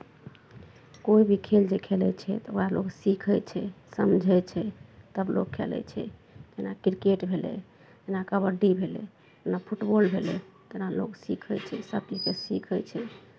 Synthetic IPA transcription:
koibʱikʰeld͡ʒekʰelɛt͡ʃʰɛ̰t̪ɔoɾaloksikʰət͡ʃʰɛsəmd͡ʒʱɛt͡ʃʰɛt̪əblo̰kʰːḛlɛ̰t͡ʃʰɛ̰ | d͡ʒenakɾikeʈbʱelɛ̰ | d͡ʒenakəbəɖibʱelɛ̰ | t̪enapʰuʈbolbʱelɛt̪enalo̰ksikʰət͡ʃʰɛ̰səb̚tikesikʰəjt͡ʃʰɛ

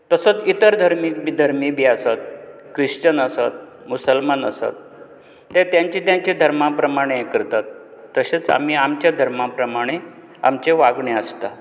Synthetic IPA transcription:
t̪əsot͡sit̪əɾd̪ʱəɾmiːkbid̪ʱəɾmibʱiːasat̪̚ | kɾiʂt͡ɕənəsat̪̚ | musəlmanəsa̰t̪ː | et̪jãɲt͡ɕit̪jãɲt͡ɕed̪ʱəɾmapɾəmaɽ̃eekəɾt̪at̪ːəɕet͡sa̰miːamt͡ɕjad̪ʱəɾmapɾəmaɽ̃e | a̰mt͡ɕeʋaɡɳeəst̪a

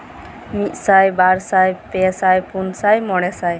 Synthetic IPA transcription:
mit̪sajbaɾsajpesajpunsajmɔɽ̃ɛsaj

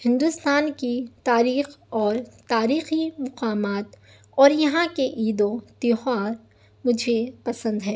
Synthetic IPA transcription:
hɪ̃nd̪ʊst̪aːnkit̪aːɾiːxɔːɾt̪aːɾiːximʊqaːmaːt̪ | ɔːɾjɐɦãkeʔiːd̪õt̪iɦaːɾ | mʊd͡ʒʱepɐsə̃nd̪ɦɛː

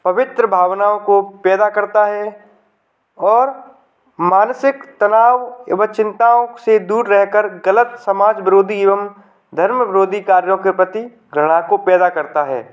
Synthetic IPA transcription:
pɐʋɪt̪ɾəbʱaːʋnaːõkopɛːd̪akɐɾt̪aɦɛ | ɔːɾ | maːnsɪkt̪ɐnaːʋḛʋət͡ʃɪ̃nt̪aõsed̪uːɾɾɛɦkəɾɡələt̪səmaːd͡ʒʋɪɾoːd̪ʱieːʋəm | d̪ʱəɾməʋɪɾoːd̪ʱikaːɾjõkepɾɐt̪i | ɡɾəɽ̃akopɛːd̪akɐɾt̪aɦɛ̰ː

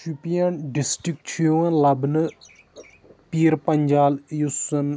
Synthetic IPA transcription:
upijɐnɖisʈɾik̚ʈt͡ʃʰijoɐnlɐbnɨ | piːɾpɐɲʲd͡ʒaːljusɐn

